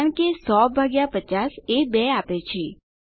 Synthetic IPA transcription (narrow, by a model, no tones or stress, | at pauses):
əɳkesɔbʱaɡjapət͡ʃasebɛapet͡ʃʰe